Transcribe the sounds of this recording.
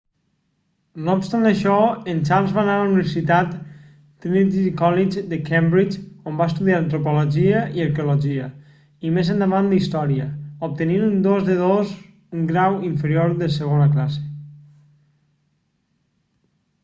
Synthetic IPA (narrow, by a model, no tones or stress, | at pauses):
noupst̪and̪əʃɔent͡ʃaɾlzβanalauniβeɾsit̪at̪ | t̪ːɾinit̪ikɔlid͡ʒd̪əkembɾit͡ʃombaest̪uðiaɾənt̪ɾupoloʒiəʔiəɾkeulɔʒiə̰ | imezənd̪əβand̪ist̪ɔɾiəop̚t̪əninund̪ozðəðoz | uŋɡɾawiɱfəɾjoɾðəsəɣonəklase̥